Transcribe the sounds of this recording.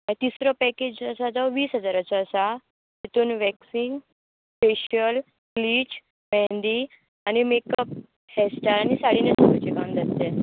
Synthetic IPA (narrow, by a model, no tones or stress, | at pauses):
at̪isɾɔpɛked͡ʑəsad͡zɔʋiːsɦəd͡zaɾət͡saːsa | ɦit̪uːnʋɛksiŋɡ | feɕəl | kliːt͡ɕ | mɛ̃nd̪i | añimekəp̚ | hɛsʈəɾanisaɽinetokut͡ɕikand͡z̪ast̪e